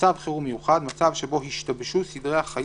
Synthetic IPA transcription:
avχeʁumejuχad̪mat͡savʃebo̞hiʃt̪abʃusid̪ʁeaχaj

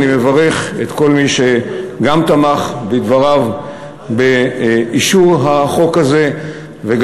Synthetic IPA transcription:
nime̞vaʁe̞χet̪ko̞lmiʃeɡamt̪amaχbid̪vaʁav | beiʃuʁɦaχo̞kaze̞ | veɡ

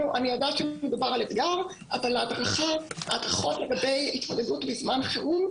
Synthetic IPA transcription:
uʔaniodaːtʃemed̪ubaʁalet̪ɡaʁ | ʔavalaadʁaχaːdʁaχotle̞ɡabe̞jit̪mod̪edutbizmanχeʁum

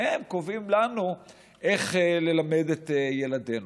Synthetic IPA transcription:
emkovimlanu | ʔeχle̞lame̞det̪ejelade̞n

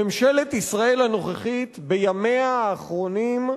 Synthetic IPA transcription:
emʃelet̪isʁae̞lano̞χeχit̪bejamejaːχʁo̞nim

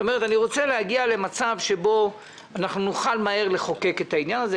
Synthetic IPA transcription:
ome̞et̪aniʁo̞t͡seleaɡiale̞mat͡savʃe̞bo̞ | anaχnunuχalmaeʁle̞χo̞ke̞ke̞t̪ainjanaze

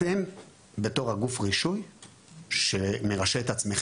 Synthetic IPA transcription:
im | be̞t̪o̞ʁhaɡufʁiʃuj | ʃeme̞ʁaʃeet̪at͡smeχ

